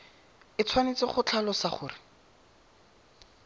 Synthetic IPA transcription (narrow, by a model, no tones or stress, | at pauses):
ɪt͡sʰwanet͡sɪχʊt͡ɬʰalɔsaχʊ̰ːrɪ